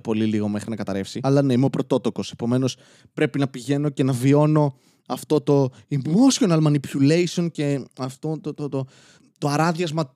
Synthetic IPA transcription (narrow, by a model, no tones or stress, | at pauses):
po̞liliɣo̞me̞xɾinɐkɐt̪ɐɾe̞fsiɐlɐne̞imeopɾo̞t̪o̞t̪o̞ko̞se̞̥po̞me̞no̞s | pɾe̞pinɐpiʝe̞no̞ce̞nɐvio̞no̞ | ɐft̪o̞t̪o̞imosio̞nɐlmɐnipulejsio̞nce̞ɐft̪ot̪ot̪ot̪o | t̪oɐɾɐðijɐzmɐ